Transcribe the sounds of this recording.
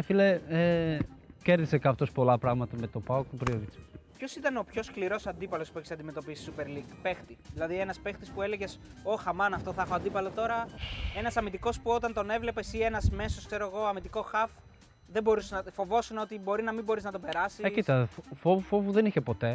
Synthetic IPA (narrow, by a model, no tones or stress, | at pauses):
efilee | ceɾðisekɐft̪o̞spo̞lɐpɾɐɣmɐt̪ɐmet̪opɐok̪upeɾioɾit͡si̥pço̞sit̪ɐno̞pço̞skliɾo̞sɐnd̪ipɐlo̞spueçisɐd̪ime̞t̪opisi̥supe̞ɾliɡpe̞xt̪iðilɐðie̞nɐspe̞xt̪ispue̞leʝe̞so̞xɐmɐnɐft̪oθɐɐxo̞ɐnd̪ipɐlo̞t̪o̞ɾɐe̞nɐsɐmit̪iko̞spuo̞t̪ɐnt̪o̞ne̞vle̞pe̞sie̞nɐzme̞soskse̞ɾoeɣo̞ɐmit̪iko̞xɐf | ðembo̞ɾuseznɐfo̞vo̞suno̞t̪ibo̞ɾinɐmibo̞ɾiznɐt̪obe̞ɾɐsiekit̪ɐfovufovuðeniçepo̞t̪e̞